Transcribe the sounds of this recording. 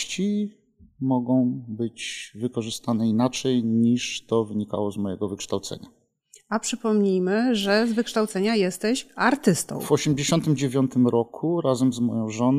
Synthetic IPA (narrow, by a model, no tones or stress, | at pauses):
t͡ɕi | mɔɡɔ̃w̃bɘd͡ʑvɘkɔʐɘst̪anɛinat͡ʂɛjɲiʂt̪ɔvɘɲika̰wɔzmɔjɛ̰ɡɔvɘkʂt̪awt̪sɛ̰ɲa̰ | apʂɘpɔmɲijmɘʐɛzvɘkʂt̪awt̪sɛɲajɛst̪ɛɕaɾt̪ɘst̪ɔ̰̃w̃vɔɕɛmd͡ʑeɕɔnt̪ɘmd͡ʑevʲjɔnt̪ɘmɾɔkʰuɾazɛmzmɔjɔ̃w̃ʐɔn